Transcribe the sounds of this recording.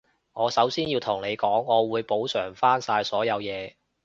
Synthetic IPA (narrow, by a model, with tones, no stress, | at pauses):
ŋɔː˨˧sɐ˨˥wsiː˥njiː˧wt̪ʰʊ˨˩ŋne˨˧jkɔː˨˥ŋɔː˨˧wuː˨˧jpo˨˥wsœː˨˩ŋfaː˥nsaː˧jsɔː˨˥jɐ˨˧wjɛː˨˧